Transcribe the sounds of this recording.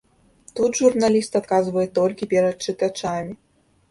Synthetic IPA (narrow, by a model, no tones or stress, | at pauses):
t̪ud̪ʐurnalʲist̪at̪̚kazvɐjɛt̪ɔlʲkʲipʲɛɾɐt̪̚t͡ʂɨt̪at͡ʂamʲi